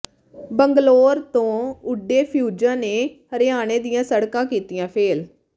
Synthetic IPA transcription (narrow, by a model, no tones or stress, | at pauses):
bəŋɡloːɾt̪õːʊɖeːpʰjuːd͡ʒãːneːhəɾɪaːɽ̃eːd̪ijãːsəɽkãːkiːt̪ijãːpʰeːl